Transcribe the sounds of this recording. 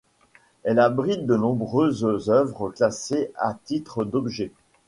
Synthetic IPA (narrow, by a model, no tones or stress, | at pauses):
ɛlabʁit̪̚d̪ənɔ̃bʁøzzœvʁəklasea̰t̪it̪χəd̪ɔbʒɛ